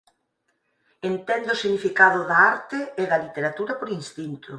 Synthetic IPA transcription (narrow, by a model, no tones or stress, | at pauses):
ent̪end̪ʊsiɲifikaðʊðaaɾt̪eːðɐlit̪eɾat̪uɾɐpoɾinst̪int̪ʊ